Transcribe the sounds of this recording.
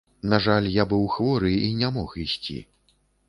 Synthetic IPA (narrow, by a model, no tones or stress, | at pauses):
naʐalʲjabɨwxvɔɾɨinʲamɔxisʲt͡sʲḭ